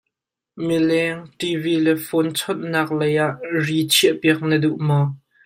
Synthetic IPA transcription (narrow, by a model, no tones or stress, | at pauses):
milɛŋtivilɛfɔnt͡sʰɔt̪̚naːk̚lɐjʔaʔrit͡sʰiəʔpiək̚nəduʔmɔ